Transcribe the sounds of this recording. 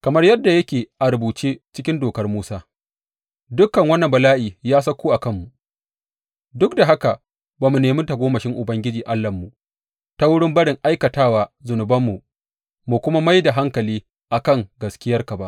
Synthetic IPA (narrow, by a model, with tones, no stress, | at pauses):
kɐ˨mɐ˦rjɐ˦dːa˨jɐ˦kʲeː˨ʔa˨ɾʊ˨buː˨t͡ʃeː˦t͡ʃɪ˦kʲɪ˦ndoː˨kɐ˦rmuː˦saː˦ | dʊ˦kːɐ˨ŋwɐ˦nːɐ˨mbɐ˨laː˦ʔiː˨jaː˦s̬ɐ˦kʷːuː˦ʔa˨kɐ˦mːu˨ | dʊ˦k̚da˨ɦa˦ka˨ | baː˨mu˨neː˨mʊ˦nta˨ɡʷoː˦mɐ˨ʃɪ˦ŋʔʊ˨bɐ˦ŋɡʲɪ˦d͡ʒiː˨ʔa˦lːɐ˨mːu˨ʔ | ta˦wʊ˦ɽɪ˦mbɐ˦ɽɪ˨ŋʔa˦jkɐ˨taː˦waː˨zʊ˨nʊ˨bɐ˦mːu˨ | mu˨kʷʊ˦ma˦ma˦jda˨ɦa˦ŋkɐ˨liː˦ | ʔa˨kɐ˦˨ŋɡɐ˨skʲɪ˦jɐ˦rka˨ba˦ʔ